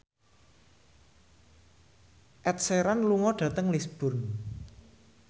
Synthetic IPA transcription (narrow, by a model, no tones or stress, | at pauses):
ʔɛt̪̚seɾanluŋɔɖ̥ä̤t̪əŋlisb̥ʊn